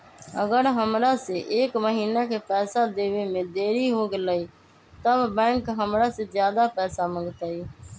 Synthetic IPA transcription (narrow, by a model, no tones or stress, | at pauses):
əɡəɾɦəmɾaːseːʔeːkməɦiːnaːkʰeːpɛːsaːd̪eːʋeːmẽːd̪eːɾiːɦoːɡəlaːiː | t̪əbbɛ̃ːŋkɦəmɾaːseːzjaːd̪aːpɛːsaːməŋɡt̪aːiː